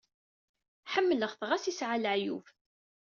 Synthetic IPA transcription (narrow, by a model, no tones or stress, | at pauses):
ħəmːələʁθʁasisʕaləʕjṵf